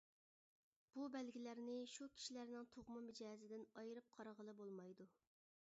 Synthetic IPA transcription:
b̥ubɛlɡʲilæɾnɪʃukʲʰi̥ʃilæɾnɪŋt̪ʰoʁmɨmɪd͡ʒɛːzɪd̪ɪnɑjɾɨp̚qʰɑɾʁəlˠɨbolˠmɑjd̪u

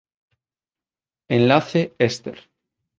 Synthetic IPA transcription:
enlaθeest̪eɾ

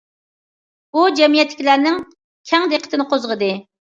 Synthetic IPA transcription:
bud͡ʒɛmijɛt̪lːɪ̥kʲilæɾnɪŋ | kʲʰɛŋd̪eqʰə̥t̪ɪnɪqʰozʁəd̪ɨ

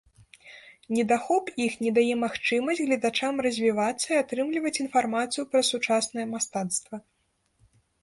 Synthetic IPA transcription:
nʲɛd̪axɔpixnʲɛd̪ajɛmaxt͡ʂɨmɐzʲd͡zʲɣlʲɐd̪at͡ʂamrɐzʲvʲivat̪sːɐiat̪ɾɨmlʲivɐt͡sʲinfarmat̪sɨjupɾɐsut͡ʂasnɐjɛmast̪at̪st̪vɐ

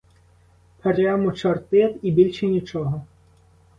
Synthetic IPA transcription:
pʰɐɾʲamɔt͡ʃɔrt̪ɪt̪ibʲilʲʃɛnʲit͡ʃɔɦɔ

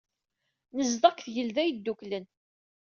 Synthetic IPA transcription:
nəzd̪ˤɑkθʝəlðæjəd̪ːuklən

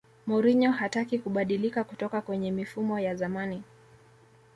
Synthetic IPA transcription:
mɔɾiɲɔɦatakikuɓaɗilikakutɔkakwɛɲɛmifumɔjazamani

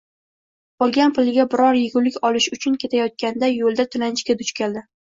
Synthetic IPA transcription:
ɒlˠɡʲanpʰʊlɪɡʲabɪɾɒɾjɪɡʲʊlɪkʲɒlɪʃʊt͡ʃʰʊnkʲʰe̞t̪ʰajɒt̪̚kʲand̪ajolˠd̪at̪ʰʊlanɪt͡ʃkʲad̪ʊt͡ʃkʲald̪ɪ

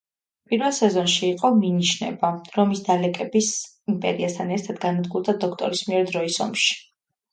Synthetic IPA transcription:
pʼiɾvɛlˠsɛzɔnʃiːqʼɔminiʃnɛ̰baɾɔmisd̪alɛkʼɛbis | impʼɛ̰ɾiast̪ʰanɛɾt̪ʰad̪ɡanad̪ɡuɾˠd̪ad̪ɔkʰt̪ʼɔɾismiɛɾd̪ɾɔisɔ̰mʃi̥

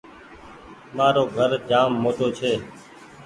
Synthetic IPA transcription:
maːɾoːɡʱəɾd͡ʒaːmːoːt̪oːt͡ʃʰeː

